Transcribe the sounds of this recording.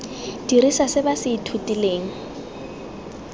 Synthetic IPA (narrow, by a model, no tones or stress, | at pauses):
d̥irisasɪbasɪːtʰutʼileːŋ̩